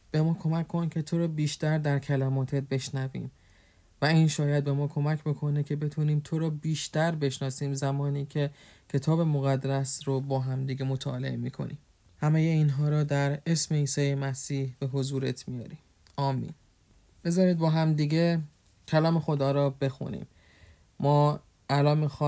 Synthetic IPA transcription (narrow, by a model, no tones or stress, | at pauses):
b̥e̞mɒːkʰo̞mækʰːo̞nkʰe̞t̪ʰo̞ɾɒːbiːʃt̪æɾd̪æɾkʰælæmɒːt̪ʰet̪̚be̞ʃnævḭːm | væiːnʃɒːjæd̪̚be̞mɒːkʰo̞mæcʰbo̞kʰo̞necʰe̞be̞t̪ʰuːniːmt̪ʰo̞ɾɒːbiːʃt̪æɾbe̞ʃnɒːsiːmzæmɒːniːcʰe̞ | cʰe̞t̪ʰɒːbe̞moɣæd̪ɾæsɾobɒːɦæmd̪iːɡe̞mo̞t̪ʰɒːle̞̰emiːkʰo̞̰nḭːm | hæmejeiːnɦɒːɾɒːd̪æɾe̞sme̞iːsɒːjemæsiːhb̥e̞ɦo̞zuːɾe̞t̪ʰmijɒ̰ːɾiːm | ɒːmːḭːn | b̥e̞zɒːɾiːd̪̚bɒːɦæmd̪iːɟe̞ | cʰælɒːme̞xo̞d̪ɒːɾɒːbe̞xṵnḭːmː | ɒː | ʔælɒːnmiːxɒ